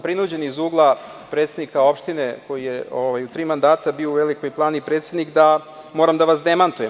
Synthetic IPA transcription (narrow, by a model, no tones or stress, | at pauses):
pɾinud͡ʑe̞nizuːɡlˠapɾe̞t̪sed̪nikao̞pʃt̪ineko̞jijeoʋajut̪ɾiːmand̪aːt̪abiouʋeliko̞jplˠaːnipɾet̪sed̪nikd̪amo̞ːɾamd̪aʋasd̪emant̪ujem